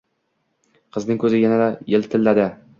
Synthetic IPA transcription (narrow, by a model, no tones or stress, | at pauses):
qʰɨznɪŋkʰɵzɪjanad̪ajɪlt̪ʰɪlːad̪ɪ